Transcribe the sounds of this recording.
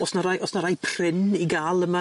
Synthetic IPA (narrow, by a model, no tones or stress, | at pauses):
ɔsnaɾajʔɔsnaɾajpʰr̥ɪniɡaːlˠəma